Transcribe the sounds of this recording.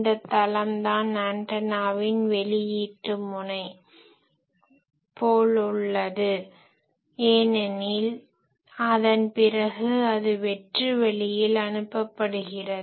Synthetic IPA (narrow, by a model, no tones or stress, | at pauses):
d̪ɐt̪ːɐlɐmd̪aːnnaːɳʈɐnaːʋɪnʋɛɭɪjiːʈrɯmʊɳɐɪ | poːɭɯɭːɐðɯ | eːnɛnɪl | ɐðɐnpɪrɐɣɯɐðɯʋɛʈrɯʋɛɭɪjɪlɐnɯpːɐpːɐɽɯɣɪrɐð